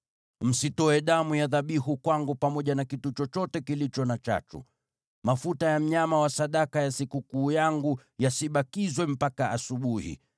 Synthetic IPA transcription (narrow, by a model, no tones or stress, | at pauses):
m̩sitɔɛɗamujaðaɓihukwaŋɡupamɔʄanakitut͡ʃɔt͡ʃɔtɛkilit͡ʃɔnat͡ʃa̰t͡ʃṵ | mafutajam̩ɲamawasaɗakajasikukuːjaŋɡu | jasiɓakizwɛm̩pakaʔasuɓuhḭ